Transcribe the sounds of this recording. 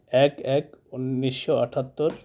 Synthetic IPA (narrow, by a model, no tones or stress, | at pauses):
ɛkɛkunːiʃːoaʈʰat̪ːoɾ